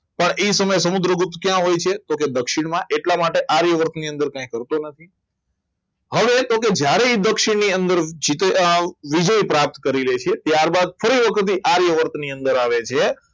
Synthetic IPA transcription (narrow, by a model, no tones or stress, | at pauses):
pəɳesəməjesəmud̪ɾəɡʊt̪ːkjãɦojt͡ʃʰet̪oked̪əkʃɪɽ̃mãʔeʈlamaʈeʔaɾjəʋəɾt̪niə̃nd̪əɾkãĩkəɾt̪onət̪ʰi | ɦəʋet̪oked͡ʒjaɾeed̪əkʃɪɳniənd̪əɾd͡ʒit̪eʋid͡ʒəipɾap̚t̪kəɾilet͡ʃʰet̪jaɾbad̪̚fəɾiʋəkʰət̪iʔaɾjəʋəɾt̪niənd̪əɾaʋet͡ʃʰe